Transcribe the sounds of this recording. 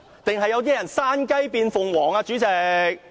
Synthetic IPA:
t̪ɪ˨ŋɦɐ˨jːɐ˧wt̪̬iː˥jɐ˨˩nsaː˥nkɐ˥jpiː˧nfʊ˨ŋwɔː˨˩ŋaː˧t͡ʃyː˨˥t͡sɛː˧k̚

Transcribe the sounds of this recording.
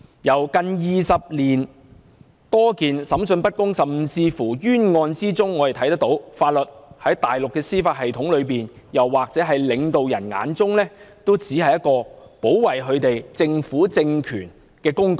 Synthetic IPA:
jɐ˨˩wkɐ˨˧njiː˨sɐ˨p̚liː˨˩n | t̪ɔː˥kiː˨nsɐ˨˥msɵ˧npɐ˥t̚kʊ˥ŋsɐ˨˩mmt͡siː˧fuː˨˩jyː˥nŋɔː˧nt͡siː˥t͡sʊ˥ŋːɔː˨˧t̪t̪ʰɐ˨˥jt̪ɐ˥k̚t̪o˨˥wfaː˧t̚lɵ˨t̚hɐ˨˥jt̪aː˨jlʊ˨kːɛː˧siː˥faː˧t̚hɐ˨jt̪ʰʊ˨˥ŋlɵ˨˧ɥpiː˨˩n | jɐ˨˩wːaː˨˩k̚t͡sɛː˨˥ɦɐ˨jlɪ˨˧ŋt̪o˨wjɐ˨˩nŋa̰ː˨˧˥nt͡sʊ˥ŋlɛː˥t̪o˥wt͡siː˨˥ɐ˨jɐ˥t̚kɔː˧po˨˥wwɐ˨˩jɦɵ˨˧ɥt̪e˨jt͡sɪ˧ŋfuː˨˥t͡sɪ˧ŋkʰyː˨˩n | kɛː˧kʊ˥ŋkɔ˨˩

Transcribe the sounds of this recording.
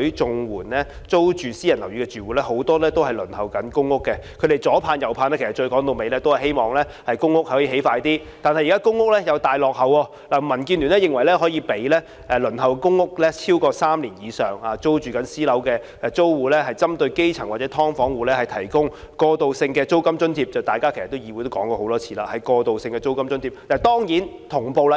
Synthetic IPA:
t͡sʊ˨ŋwuː˨˩nlɛː˦˥ | t͡so˥wt͡ʃyː˨˩siː˥jɐ˨˩nlɐ˨˩wɥyː˧kɛ˧t͡syː˨wuː˨˦lɛː˦˥ho˨˥wt̪ɔː˥lɛ˥t̪o˥whɐ˨jlɵ˨˩nhɐ˨wkɐ˨˥nkʊ˥ŋːʊ˥kːɛ˧kʰɾe˨˩jt͡sɔː˨˥pʰaː˧njɐ˨˩wpʰaː˧nlɛː˥kʰsɐ˨˩t͡ʃɵ˧ɥkɔː˨˥ŋt̪o˧wme˨˧jlɛː˥t̪o˥whɐ˨˩jɦe˥jmɔː˨ŋlɛː˦˥ | hɐ˨jkʊ˥ŋːʊ˥k̚hhɔ˨˥ji˧˩ɦe˨˥jfaː˧jt̪iː˥ | t̪aː˨nhɐ˨jːkaː˥kʊ˥ŋːʊ˥k̚lɛ˥jɐ˨˧wt̪aː˨jlɔː˨k̚hɐ˨wɔː˧ | laː˨˩mɐ˨˩nkiː˧nly˨˩nɛ˦˥jɪ˨ŋwɐ˨˩jlɛ˥ɦɔː˨˥jiː˧pe˨˥jlɛ˥ | ɛ˨˧lɵ˨˩nɦɐ˨wkkʊ˥ŋːʊ˥k̚lɛ˥t͡sʰiː˥wkɔː˧saː˥mliː˨˩njiː˨˧sœː˨˩ŋaː˨t͡so˥wt͡ʃyː˨kɐ˨˥nsiː˥lɐ˨˥wkɛː˧ | t͡so˥wwuː˨lɛ˥ɦɐ˨jt͡sɐ˥mt̪ɵ˧ɥke˥jt͡sʰɐ˨˩ŋwa˨tt͡sɛ˨˥t̪ʰɔː˥ŋfɔː˨˥ŋwuː˨˩lɛː˥hɐ˨jt̪ʰɐ˨˩jkʊ˥ŋ | kɔː˧t̪o˨wsɪ˧ŋkɛː˧t͡so˥wkɐ˥mt͡ʃɵ˥nt̪ʰiː˧p̚t͡sɐ˨wt̪aː˨jkaː˥kʰe˨˩sɐ˨t̪ːwjiː˨˧˩u˨˧t̪o˥wkɔː˨˥ŋkɔː˧hwt̪ɔː˥t͡sʰi̥ː˧la̰ː˧hɐ˨˥jkɔː˧t̪o˨wsɪ˧ŋkɛː˧t͡so˥wkɐ˥mt͡ʃɵ˥nt̪ʰiː˧˩p̪a˨˩t̪ɔː˥ŋjiː˨˥n | t̪ʰʊ˨˩ŋpo˨˧wla˧

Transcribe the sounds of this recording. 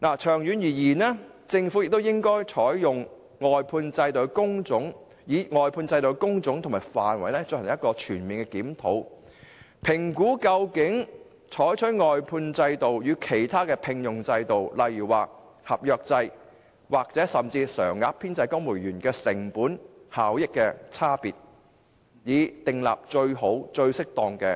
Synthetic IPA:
naː˨˩t͡ʃʰœː˨˩ŋjyː˨˧njiː˨˩jiː˨˩nɛː˥ | t͡sɪ˧ŋfu˨˥jɪ˨k̚t̪o˥wjɪ˥ŋkɔː˥jt͡ʃʰɔː˨˥jjʊ˨ŋ | ŋɔː˨jpʰuː˧nt͡sɐ˧jt̪o˨˧wkʊ˥ŋt͡sʊ˨˥ŋ | jiː˨˥ŋɔː˨jpʰuː˧nt͡sɐ˧jt̪o˨˧wkʊ˥ŋt͡sʊ˨˥ŋt̪ʰʊ˨˩ŋmaː˨˩jfaː˨nwɐ̰˨jnɛː˥t͡sɵ˧nhɐ˨˩ŋjɐ˥t̚kɔː˧t͡ʃʰyː˨˩nmiː˨nkɛː˧kiː˨˥mt̪ʰo˨˥w | pʰɪ˨˩ŋkuː˨˥kɐ˧wkɪ˨˥ŋ | t͡ʃʰɔː˨˥jt͡ʃʰɵ˨˥tŋɔː˨jpʰuː˧nt͡sɐ˧jt̪o˨wjyː˨˧kʰe˨˩jt̪ʰaː˥kɛː˧pʰɪ˧ŋjʊ˨˩ŋt͡sɐ˧jt̪o˨wlɐ˨jyː˨˩waː˨ | hɐ˨p̚jœː˧k̚t͡sɐ˧j | waː˨k̚t͡sɛː˨˥sɐ˨mt͡siː˧sœː˨˩ŋːaː˨˧pʰiː˥nt͡sɐ˧jkʊ˥ŋmuː˨˩jjyː˨˩nkɛː˧sɪ˨˩ŋpuː˨˥nhaː˨˥wjɪ˥kːɛː˧t͡sʰaː˥piː˨t̚ | jiː˨˧t̪ɪ˨ŋla̰ː˨p̚t͡ʃɵ˧ɥɦo˨˥wt͡ʃɵ˧ɥsɪ˥k̚t̪ɔː˧ŋkɛː˧

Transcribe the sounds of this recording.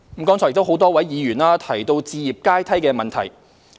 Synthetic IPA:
mm̩˨˥kɔː˥ŋʰɔ˨˥˩jkt̪o˥wɦo˨˥wt̪ɔː˥wɐ˨˥jjiː˨˧jyː˨˩nlaː˥t̪ʰɐ˨˩jt̪o˧wt͡siː˧jiː˨˩p̚kaː˥jt̪ʰɐ˥jkɛː˧mɐ˨nt̪ʰɐ˨˩j

